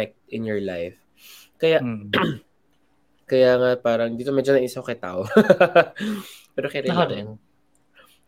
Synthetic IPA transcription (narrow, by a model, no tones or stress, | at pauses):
ɛk̚t̪ʔɪnjɔɹlajf | kɐja | kɐjaːŋapaːɾɐŋd̪iːt̪o̞mɛd͡ʒonɐʔiːsɐkɐt̪a̰ʔo | pɛːɾokɛɾɛ